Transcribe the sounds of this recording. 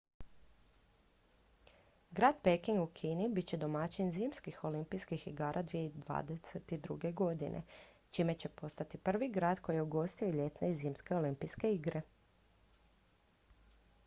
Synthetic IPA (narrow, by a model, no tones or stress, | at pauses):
ɡɾaːd̪̚pekiŋɡukʰiːnibit̪t͡ɕe̞d̪o̞mat͡ɕinziːmskixo̞limpijskixḭɡaːɾʔad̪ʋijeid̪ʋa̰ːd̪eset̪id̪ɾṵɡe̞ɡo̞d̪ḭnʔḛ | t͡ʃiːme̞t͡ɕe̞po̞st̪at̪ipr̩ʋiɡɾaːd̪ko̞jijeuɡo̞st̪ioiʎe̞t̪neiziːmske̞o̞limpijske̞iɡɾe̞